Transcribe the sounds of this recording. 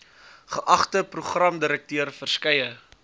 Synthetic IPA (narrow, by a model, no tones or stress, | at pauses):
χəʔɐχtəpruχrɐmdəɾək̚tyərfərskɛjə